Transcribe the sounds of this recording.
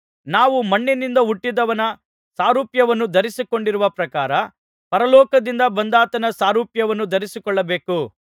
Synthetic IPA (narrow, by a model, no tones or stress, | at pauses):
naːʋumɐɳːinind̪ɐuʈːid̪ɐʋɐnɐ | saːɾuːpjɐʋɐnːud̪ɐɾisiko̞ɳɖiɾuʋɐpɾɐkaːɾɐ | pɐɾɐlɔːkɐd̪ind̪ɐbɐnd̪aːt̪ɐnɐsaːɾuːpjɐʋɐnːud̪ɐɾisikɔɭːɐbe̞ːku